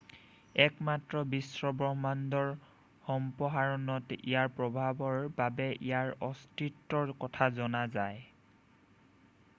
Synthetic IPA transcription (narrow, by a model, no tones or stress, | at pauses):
ɛkmatɹɔbisɹɔbɹɔɦmandɔɹ | xɔmpɔɦaɹɔnɔtḭjaɹpɹɔbʱabɔɹbabɛʔijaɹɔstɹitːɔɹkɔtʰazɔnazaj